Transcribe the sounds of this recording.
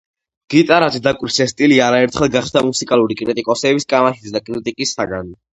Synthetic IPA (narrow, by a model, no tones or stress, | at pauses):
ɡ̥it̪ʼaɾat̪d̪akʼwɾisɛst̪ʼiliaɾaɛɾt̪ʰχɛlˠɡaχʃd̪amusikʼalˠuɾikʼɾit̪ʼikʼɔsɛbiskʼamahissd̪akʼɾit̪ʼikʼisaɡan